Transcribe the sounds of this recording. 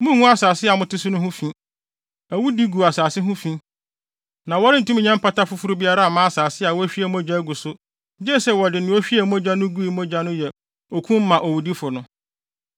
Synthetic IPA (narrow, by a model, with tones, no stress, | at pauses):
mũ˦˨hũ˦a˦saː˨sɪ˦a˨mʊ̃˦tɪ˦sʊ˦nʊ̃˦hʊ̃˦fĩ˦ | æ˨wu˦di˦ɡu˨a˨saː˨sɪ˦ɦʊ̃˦fĩ˦ | nã˨wɔ˦ɾɪ̃˦n̩˨tũ˦mĩ˨ɲã˦m˦pʰa˦ta˦fʊ˦fu˦ɾu˦bi˦a˦ɾa˦˨mãː˦a˨saː˨sɪ˦a˨wɔ˦æ˦ɕᶣi˦ɛ˨m˦ɔ˦d͡ʑa˦ɡu˨sʊ˦ | d͡ʑɛ˦sɛ˦wɔ˨dɪ˨nɪ̃˨˦ɔ˦ɕᶣi˦ɛ˨mɔ̃˦d͡ʑa˦nʊ̃˦ɡu˦i˨˦mɔ̃˦d͡ʑa˦nʊ̃˦jɛ˨ | ɔ˨kʰũ˦m̩˦mã˨ʔɔ˨wu˨di˦fʊ˨nʊ̃˦